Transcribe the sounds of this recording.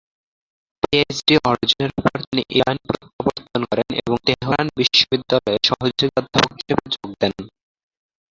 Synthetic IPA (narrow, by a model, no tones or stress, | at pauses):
pied͡ʑʈiʔɔɾd͡ʑoneɾupoɾt̪iniʔeɾanpɾot̪ːaboɾt̪ʰonkɔɾenḛboŋt̪eɦiɦonbiʃːobid̪ːalɔeɾʃɔɦod͡ʑoɡiɔd̪ʱːapooki̥ʃebed͡ʑoɡ̚d̪ɛn